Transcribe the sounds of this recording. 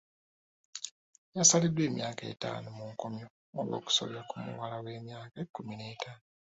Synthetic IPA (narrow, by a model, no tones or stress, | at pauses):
jasalidwe̞ːmjaːke̞̰ta̰nomuŋkomjo | oβo̞̰ːku̥so̰βjakumṵwalawe̞ːmjaːkekːuminetʰaːno